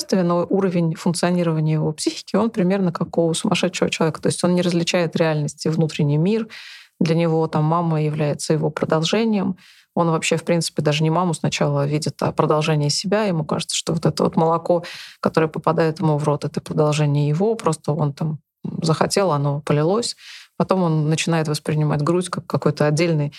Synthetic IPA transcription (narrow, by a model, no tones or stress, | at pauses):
st̪vʲɪnoʔuɾəvʲɪnʲfʊnk̚t̪sɨɐnʲiɾəvənʲɪjəjɪvo̞psʲixʲɪ̥kʲɪo̞npɾʲɪmʲe̞rnəkakosʊmɐʂɛt̪ʂɪvət͡ɕɪlˠɐvʲekə̥t̪o̞ɪsʲtʲo̞nnʲɪɾəzʲlʲɪt͡ɕæjɪt̪ɾʲɪalʲnəsʲtʲɪvnut̪ɾʲɪnʲɪjmʲird̪lʲənʲɪvo̞t̪amːamːəjɪvlʲæjɪt̪səjɪvo̞pɾəd̪ɐlˠʐɛnʲɪjəm | o̞nvɐpɕːefpɾʲint̪sɨ̥pʲɪd̪aʐɨnʲɪmamʊsnɐt͡ɕalˠəvʲidʲɪt̪ɐ̰pɾəd̪ɐlˠʐɛnʲɪjəsʲɪbʲaɪmuka̰ʐɨt̪sə̥ʂt̪o̞vo̞t̪ɛt̪əvo̞̰t̪məlˠɐko̞kɐt̪o̞ɾɨjəpəpɐd̪ajɪt̪jɪmuvɾo̞t̪ɛt̪əpɾəd̪ɐlˠʐɛnʲɪjəjɪvo̞pɾo̞st̪əo̞nt̪am | zəxɐtʲe̞lˠɐno̞pəlʲɪlˠo̞sʲpɐt̪o̞mo̞nːət͡ɕɪnajɪt̪vəspɾʲɪnʲɪma̰tʲɡɾutʲkakːɐko̞jt̪əɐdʲːelʲnɨj